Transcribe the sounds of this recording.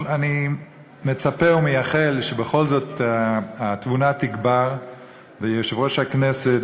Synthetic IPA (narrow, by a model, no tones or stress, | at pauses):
ani | met͡sapeumejaχelʃebeχo̞lzo̞t̪aat̪vunat̪iɡbaʁ | vejeʃevʁoʃakneset